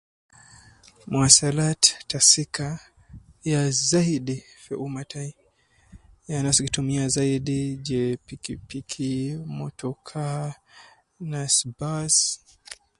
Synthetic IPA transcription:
mwasalattasika | jazaiɗifɛʔumatai | janasikitumiazaiɗid͡ʒɛpiipikʰimɔtʰɔkʰa | nasbas

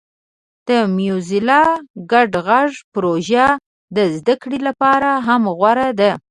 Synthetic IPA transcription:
d̪̥əmjuzɪlɑɡaɖɣaʐpɾoʒa | d̪əzd̪akɽilapɑɾaɦamɣwaɾad̪a

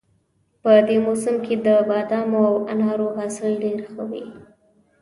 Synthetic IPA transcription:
pəd̪emosʊmked̪əbɑd̪ɑmoawanɑɾoɦɑsɪlɖeɾxəwi

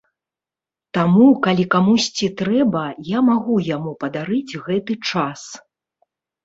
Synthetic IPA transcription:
t̪amukalʲikamusʲt͡sʲit̪ɾɛbɐjamaɣujamupɐd̪aɾɨd͡zʲɣɛt̪ɨt͡ʂas

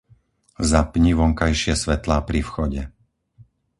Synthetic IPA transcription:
zapɲiʋɔŋkajʃɪɛsʋɛt̪laːpɾifxɔɟɛ

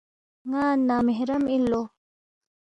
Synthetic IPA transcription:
ŋaːnːameɦɾɐmilːo

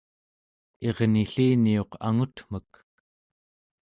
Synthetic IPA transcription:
e̞ʁniɬiːnio̞qa̰ŋut̪m̥ək

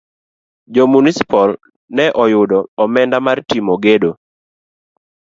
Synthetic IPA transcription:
d͡ʒɔmunisi̥pɔl | nɛʔɔjʊdɔːmɛndamartimoɡedo

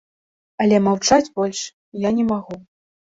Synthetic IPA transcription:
ɐlʲɛmawt͡ʂad͡zʲbɔlʲʂ | janʲɛmaɣu

